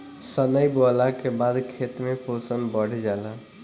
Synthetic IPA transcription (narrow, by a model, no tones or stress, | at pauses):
sənəjbolakebad̪kʰet̪mepʰosənbəɽ̤ed͡ʒalə